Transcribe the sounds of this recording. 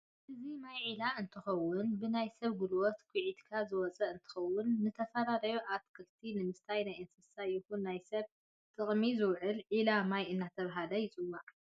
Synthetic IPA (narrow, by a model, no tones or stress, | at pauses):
ʔɨzimajʕilaʔɨnt̪ʰɨxɐwːʊnbɨnajsɐβɡɨlwɔt̪kʰʷiʕid̪kʰazɨwɔt͡sʼɐʔɨnt̪ʰɨ̥xɐwːʊnːɨt̪ʰɐfɐlalɐjuʔat̪kʰɨlt̪ʰinɨmɨst̪ʰajnajɐnsɨsajɪxunːajsɐβ | t̪ʼɨχʼmizɨwʕɨlʕilamajɨnːat̪ʰɐβɦalɐjɪt͡sʼɨwːaʔ